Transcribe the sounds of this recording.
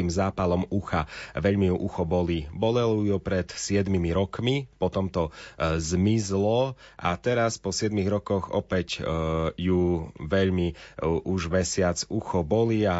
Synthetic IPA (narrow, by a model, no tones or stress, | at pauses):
imzaːpalɔmuxaʋɛʎmijuʔuxɔbɔlibɔlɛlɔujupɾɛt̪sɪɛd̪mimiɾɔkmipɔt̪ɔmt̪ɔzmizlɔʔa̰t̪ɛɾaspɔsɪɛd̪miɣɾɔkɔɣɔ̰pɛcjuʋɛʎmiʔuʒmɛsɪat͡suxɔbɔlia